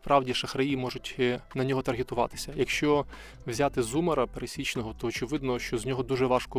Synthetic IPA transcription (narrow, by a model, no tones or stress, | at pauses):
pɾɑʋdʲiʃɐxɾɐjimɔʒʊtʲnɐnʲɔɦɔt̪ɐrɦɪt̪ʊʋɑ̰t̪ɪ̥sʲɐjɐkʃt͡ʃɔ | wzʲat̪ɪzumɐɾɐpeɾesʲit͡ʃnɔɦɔt̪ɔːt͡ʃɪʋɪd̪nɔʃt͡ʃɔzʲnʲɔɦɔd̪uʒɛʋɑʃkɔ